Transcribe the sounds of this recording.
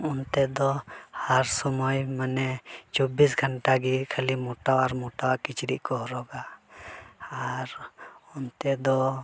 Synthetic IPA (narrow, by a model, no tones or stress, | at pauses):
ɔnt̪ɛd̪ɔhaɾsɔmɔjmanɛt͡ʃɔbisɡʱəɳʈaɡikʰəlimɔʈawaɾmɔʈawakit͡ʃɾiʔkɔɦɔɾɔɡa | ɾɔnt̪ɛd̪ɔ